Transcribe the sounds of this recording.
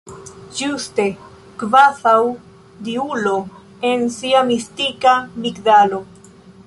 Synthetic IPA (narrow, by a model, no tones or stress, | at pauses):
d͡ʒuste̞ | kvaθaw | diulo̞ | e̞nsiamistikamikdalo̞